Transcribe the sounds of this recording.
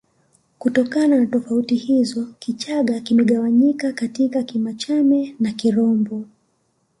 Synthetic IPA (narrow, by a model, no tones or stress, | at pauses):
kutɔkananatɔfautihizɔkit͡ʃaɠakimɛɠawaɲikakatikakimat͡ʃamɛnakiɾɔmbɔ